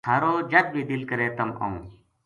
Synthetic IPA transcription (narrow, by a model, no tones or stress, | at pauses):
aːɾoːd͡ʒəd̪̚bʱiːd̪ɪlkəɾeːt̪əmə̰ũː